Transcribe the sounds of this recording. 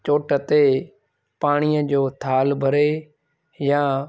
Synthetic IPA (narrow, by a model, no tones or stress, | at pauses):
t͡ɕoːʈə̆t̪e | paːɽ̃iːəd͡ʑoːt̪ʰaːlbʱəɾe | ja